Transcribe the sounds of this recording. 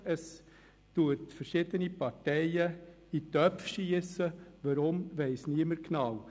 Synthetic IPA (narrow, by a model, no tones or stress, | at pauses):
əs | t̪uətfəɾʃɪd̪ənipɑtɛɪə | it̪œpfʃiəsəʋɑɾʊmʋɛɪsniəməɾknɑw